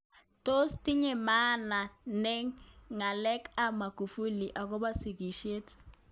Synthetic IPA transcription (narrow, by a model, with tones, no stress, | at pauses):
to˦sti˦ɲɛ˨ma˦na˨nɛ˦ŋŋa˨lɛ˦ka˦ma˨ku˨fu˦li˨ʔa˨k̬ɔ˦ba˦si˨ki˨ʃe˦t